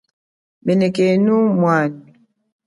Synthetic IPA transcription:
menekenumwan

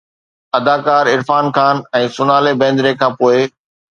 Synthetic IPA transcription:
ɐd̪aːkaːɾɪɾfaːnkaːnɛ̃ːsʊnaːlebɛ̃ːn̆d̪ɾekʰãːpoːɪ

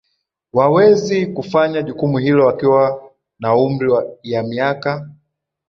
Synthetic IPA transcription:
wawɛzikufaɲaʄukumuɦilɔwakiwa | naum̩ɾijamiaka

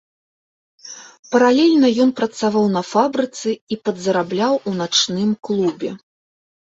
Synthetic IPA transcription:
pɐɾalʲɛlʲnɐjɔnpɾɐt̪savawnɐfabɾɨt̪sɨipɐd̪zɐɾablʲawunat͡ʂnɨmklˠubʲɛ

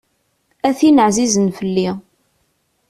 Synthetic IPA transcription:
æθinəʕzizənfəlːi

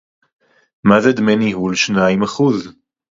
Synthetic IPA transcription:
mazed̪menihulʃnaimaχuz

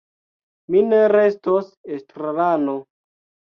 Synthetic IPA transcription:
mineɾestosestɾalano

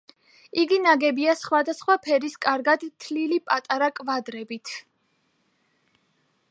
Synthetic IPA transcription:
iɡinaɡɛbiasχwad̪asχwapʰɛɾiskʼaɾɡad̪t̪ʰlilipʼat̪ʼaɾakʼvad̪ɾɛbit̪ʰ

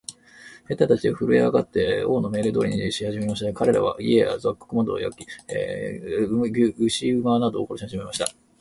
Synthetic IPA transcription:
he̞t̪ːat̪at͡ɕiaɸɯ̟ɾɯ̟jeaɡat̪ːe̞o̞ːno̞me̞ːɾɯd̪o̞̰ːɾiɲiɕihaʑime̞maɕit̪ad̪ekaɾe̞ɾa̰βa̰iea̰zakːɯ̥kɯ̟mad̪o̞̰ːjo̰kʲːi | ɡʲɯɕiɯ̟manad̪oːko̞ɾoɕihaʑime̞maɕi̥t̪a

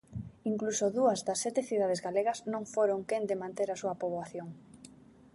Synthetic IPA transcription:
iŋklusoðuɐzðɐsːɛt̪ɪθiðað̞ɪzɣaleɣɐznõŋfoɾoŋkend̪ɪmãnt̪eɾɐsuɐpoβaθjoŋ

